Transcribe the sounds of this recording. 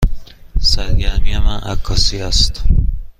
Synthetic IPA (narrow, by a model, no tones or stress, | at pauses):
sæɾɡæɾmiæmænʔækʰːɒːsiæst̪